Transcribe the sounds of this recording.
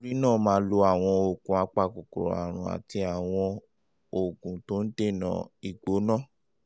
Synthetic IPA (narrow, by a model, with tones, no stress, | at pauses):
o˧ɾi˦nãː˦˨mãː˨˦lo˧a˨w̃ɔ̃˧o˨kũ˨a˧k͡pa˦˨ko˨ko̰˨ɾa̰˨ɾ̃ũ˨a̰˨ti˧a˨w̃ɔ̃˧ | o˨kũ˨to˦n̩˦de˦˨nã̰˨i˨ɡ͡bo˨˦nãː˦˨